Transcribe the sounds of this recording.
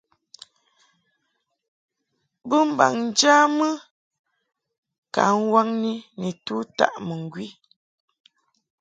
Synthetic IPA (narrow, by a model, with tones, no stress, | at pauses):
bə˦m̩˦ba̰˨ŋn˨d͡ʒa˦mɨ˦ | ka̰˨˦ŋ̩˦wa˦ŋni˦ni˨tu˦ta̰˦ʔmə˨ŋ˨ɡwi˦